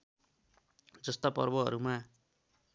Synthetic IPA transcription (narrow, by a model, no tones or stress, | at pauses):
d͡zʌst̪apʌ̰rbʌɦʌ̰ɾuma